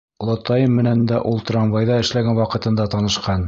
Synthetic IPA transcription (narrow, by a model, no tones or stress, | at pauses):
lˠŏt̪ɑjɤmːɘ̆nænd̪æʔulˠt̪rɑmvɑjðɑɘ̆ʃlæɡænwɑqɤ̆t̪ɤ̆nd̪ɑt̪ɑnɤ̆ʃqɑn